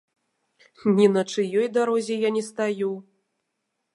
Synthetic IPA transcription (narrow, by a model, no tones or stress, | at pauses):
nʲinɐt͡ʂɨjɔjd̪aɾɔzʲɛjanʲɛst̪aju